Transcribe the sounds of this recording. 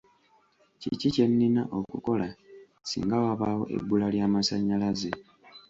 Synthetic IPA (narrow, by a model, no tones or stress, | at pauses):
cḭcice̞nːina̰ʔo̞kuko̞la | sḭːŋɡawaβaːwo̞̰ʔe̞̰bːulaljaːmasaɲːalaze